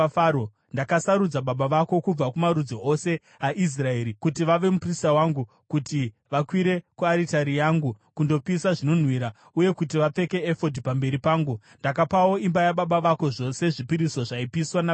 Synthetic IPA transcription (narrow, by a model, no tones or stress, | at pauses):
ao | ndakasaɾud͡zaɓaɓaʋako̞kub͡vakumaɾud͡zoʔo̞se̞ | aʔis̬rae̞ɾikutiʋaʋe̞mupristawaŋɡu | kuti | ʋakwiɾe̞kuaɾitaɾijaːŋɡukundo̞pisaʐino̞n̤ɦwiɾa | uje̞kut̬iʋap͡fe̞ke̞ːfo̞dʱipambe̞ɾipaːŋɡu | ndakapawo̞imbajaɓaɓaʋako̞ʐo̞se̞ʐipiɾiso̞ʐaipiswana